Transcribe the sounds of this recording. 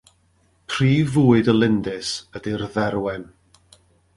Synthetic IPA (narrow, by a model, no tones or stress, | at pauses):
pʰr̥iːvuːɨdəlˠɪndɪsədirðɛɾwɛn